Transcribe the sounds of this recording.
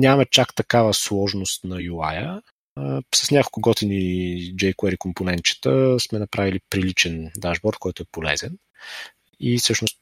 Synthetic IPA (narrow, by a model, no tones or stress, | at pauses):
nʲamɐt͡ʃakt̪ɐkavəslˠɔʒnost̪nɐjula̰jə | sɐsnʲakolˠkʊɡɔt̪inid͡ʒɛjkʊɛɾikomponɛnt͡ʃɛ̥t̪əsmɛnɐpɾʔavilipɾilit͡ʃɛnd̪aʒbɔɾt̪̚kɔjt̪oʊɛpolɛ̰zɛn | ifsɤʃnost̪